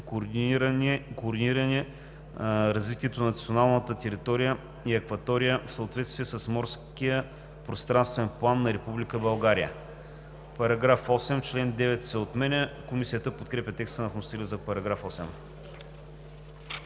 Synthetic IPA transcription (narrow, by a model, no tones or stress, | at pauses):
koɾd̪iniɾɐnɛ | ɾɐzvit̪iɛt̪onɐnɐt̪sionalˠnət̪ət̪ɛɾit̪ɔɾijə | iɐkvɐt̪ɔɾijəfsɐoːt̪vɛt̪st̪viɛsəsmɔɾskijə | pɾost̪ɾanst̪vɛnplˠanːɐɾɛpublikəbɐlˠɡaɾijə̰ | pɐɾɐɡɾafɔsɛmt͡ʃlɛnd̪ɛvɛt̪sɛot̪mɛnɛkomisijət̪əpot̪kɾɛpʲɐt̪ɛkst̪ənɐfmost̪ɛlʲizɐpɐɾɐɡɾafɔsɛm